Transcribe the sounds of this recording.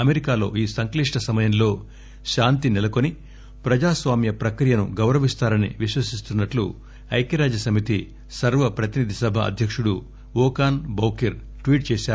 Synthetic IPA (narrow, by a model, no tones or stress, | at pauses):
ɐmeɾikaːlo̞ːiːsɐŋkliʂʈɐsɐmɐjɐnlo̞ː | ʃaːnt̪inɛlɐko̞ni | pɾɐd͡ʒaːsʋaːmjɐpɾɐkɾijɐnṵɡɐwɾɐʋist̪aːɾɐnḭʋiʃʋɐsist̪unːɐʈlṵ | ɐjkɐɾaːd͡ʒɐsɐmit̪i | sɐɾʋɐpɾɐt̪inid̪ʱisɐbʱɐɐ̰d̪ʱjɐkʂuɽu | ʋɔːkaːnbɐwkiɾ | ʈʋiːʈ̚t͡ʃeːʃaːɾ